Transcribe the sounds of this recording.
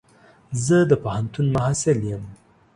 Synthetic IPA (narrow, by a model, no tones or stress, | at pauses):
zəd̪əpahant̪unmaɦasɪljəm